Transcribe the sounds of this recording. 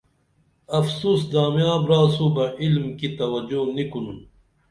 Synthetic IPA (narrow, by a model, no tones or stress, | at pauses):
ɐfsuːs̬d̪aːmjãːbɾaːsubɐilmkit̪ɐwɐd͡ʑunikunu